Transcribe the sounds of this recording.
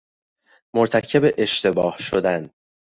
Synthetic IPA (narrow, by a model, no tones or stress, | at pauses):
moɾt̪ʰæcʰe̞beʔeʃt̪ʰe̞bɒːhʃod̪æn